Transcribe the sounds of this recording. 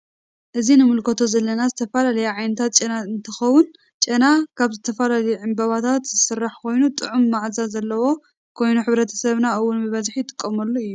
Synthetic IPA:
ʔɨzinɨmɨlkʰɐt̪ʰo̞zɐlːɐnazɨt̪ʰɐfɐlalɐjaʕajnɐt̪ʰat̪̚t͡ʃʼɐnaɨnt̪ʰɨxɐwʊn | t͡ʃʼɐnakʰaβzɨt̪ʰɐfɐlalɐjuʕɨmbɐβat̪ʰat̪zɨsɨrːaħkʰo̞jnut̪ʼɨʕumːaʕzazɐlːɐwo̞ | kʰo̞jnuħɨβɾɐt̪ʰɐ̥sɐβnaʔɨwːʊnbɨβɐzħjt̪ʰʼɨ̥kʼːɐmɐlːoɨjːu

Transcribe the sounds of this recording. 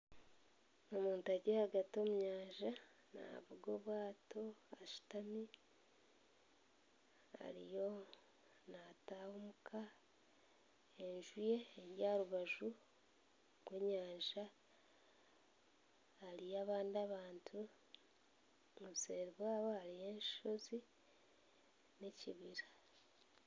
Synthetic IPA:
omuːntaɟehaɡatio̞muɲaːɲʒa | na̰βuɡo̞ːβwaːto̞aʃu̥tami | a̰ɾḭjo̞ | nataːhomukʰa | eɲʒuje̞ːɾjaːɾuβaʒu | ɡweɲaːʒa | lijaːβaːndiaβaːntʰu | oβseːɾiβwaːβoaɾije̞ːnʃʃo̞zi | neciβiɾḁ

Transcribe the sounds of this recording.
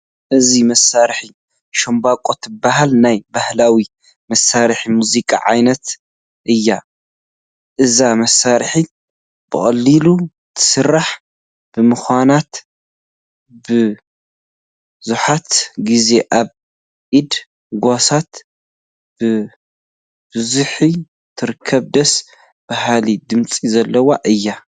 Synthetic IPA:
ʔɨzimɐsaɾħi | ʃombakʼot̪ɨbːaɦalnajbahlawi | mɐsaɾħimuzikʼa̰ʕa̰jnɐt̪ | ʔɨjːa | ʔɨzamɐsaɾħi | b̥ɨxʼɐlːilu | t̪ʰɨ̥sɨrːaħ | b̥ɨmɨxʷanat̪ | bɨ | zuħat̪ɡize̞ʔaβ | ʔid̪ | ɡasat̪ | b̥ɨ | bɨzuħi | t̪ʰɨɾɨkʰːɐβd̪ɐs | b̥ahalid̪ɨmt͡sʼizɐlːɐwaʔɨjːa

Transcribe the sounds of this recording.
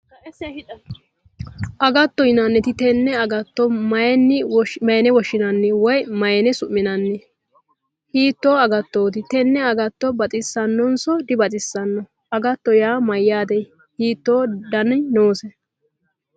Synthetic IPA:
ʔɐɡɐt̪ːɔjɪnanːɛt̪ɪt̪ɛnːɛɐɡɐt̪ːɔmɐjɛnːɪmɐjɛnɛwɔʃːɪnɐnːɛwɔjmɐjɛnɛsʊʔːɪnɐnːɛ | hiːt̪ːoːɐɡɐt̪ːoːt̪ɪt̪ɛnːɛɐɡɐt̪ːɔbɐt͡sʼɪsːɐnːɔnsɔd̪ɪbɐt͡sʼɪsːɐnːɔ | ʔɐɡɐt̪ːɔjaːmɐjːaːd̪ɛj | hiːt̪ːo̞ːd̪ɐnnoːsɛ

